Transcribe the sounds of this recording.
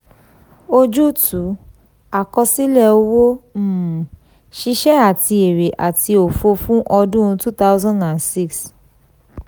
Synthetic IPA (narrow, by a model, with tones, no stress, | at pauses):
o˧d͡ʒu˦tʰu˨˦ | a˨kɔ˧si˦lɛ˦˨o˧wo˦m̩˦˨ | ʃi˧ʃɛ˦a˨ti˧e˨ɾe˨ʔa˨ti˧o˨fo˧fũ˦ʔɔ˧dũ˦ũ˧tu˦ta˦ʊ˦zã˦ndã˨nsi˦ks